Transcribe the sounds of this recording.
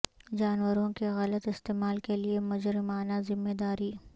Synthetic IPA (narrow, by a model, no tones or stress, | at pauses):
d͡ʒaːnwəɾõkeɣɐlət̪ɪst̪eːmaːlkeliemʊd͡ʒɾɪmaːnazɪmːeːd̪aːɾiː